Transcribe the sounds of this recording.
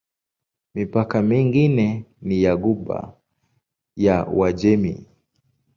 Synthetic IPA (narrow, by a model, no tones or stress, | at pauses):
mipakamiŋɡinɛnijaɡuɓa̰ | jawad͡ʒɛmḭ